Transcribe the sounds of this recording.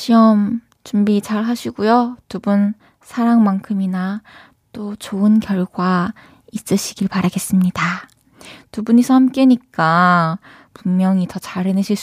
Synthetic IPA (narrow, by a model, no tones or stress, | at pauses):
ɕʰiʌm | t͡ɕumbit͡ɕaɭɦaɕʰiɡujotubun | sʰaɾaŋmaŋkʰɯmina | t͈ot͡ɕoɯnkjʌɭɡwa | is͈ɯɕʰiɡiɭpaɾaɡe̞s͈ɯmɲida | tubuɲisʰʌhamk͈e̞ɲik͈a | pummjʌŋitʌt͡ɕaɾenɯɕʰiɭs